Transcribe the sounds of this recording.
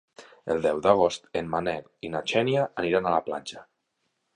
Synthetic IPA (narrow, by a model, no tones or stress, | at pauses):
ə̰lˠd̪ɛwðaɣ̞ost̪emmanɛlinat͡ʃɛniaʔːniɾanalaplanʲd͡ʒa